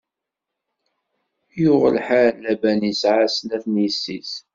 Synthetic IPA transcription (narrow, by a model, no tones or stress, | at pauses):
jʊʁəlħaɾlːæbænisʕasnæθnjəsːis